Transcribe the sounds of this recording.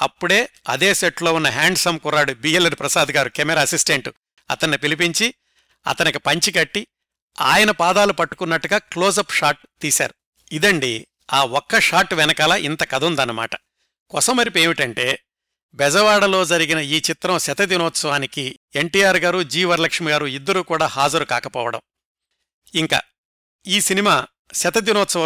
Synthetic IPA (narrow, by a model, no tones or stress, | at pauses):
ɐ̰pːuɽe̞ːɐ̰d̪e̞ːseʈlo̞ːunːɐɦaːɳɖsɐmkuɾaːɽubiːelɐɾpɾɐsaːd̪ɐɡaːɾukɛmɛɾaːɐsisʈeɳʈu | ɐ̰t̪ɐnːipilip̬iɲt͡ʃi | ɐ̰t̪ɐnikipɐɲt͡ʃikɐʈːi | a̰ːjɐnɐpaːd̪aːlupɐʈːu̥kunːɐʈːuɡaːkloːzɐpʂaːʈ̚t̪iːsa̰ːɾu | id̪ɐɳɖi | aːɔkːɐʂaːʈʋɛnɐkɐlɐʔint̪ɐkɐd̪ʱund̪ɐnːɐma̰ːʈɐ̥ | kɔsɐmɐɾipe̞ːmiʈɐɳʈe̞ː | bɛd͡ʒɐʋaːɽɐlo̞ːd͡ʒɐɾiɡinɐiːt͡ʃit̪ɾɐmsɐt̪ɐd̪inɔːt̪sɐʋaːniki | e̞ɳʈiːjaːɾɡaːɾud͡ʒiːʋɐɾlɐkʂɐmiɡaːɾuid̪ːɐɾuːkuːɽaːhaːd͡ʒɐɾukaːkɐpɔ̰ːʋɐɽɐ̰m | iŋka̰ː | iːsinimaː | sɐt̪ɐd̪inɔːt̪sɐʋɐ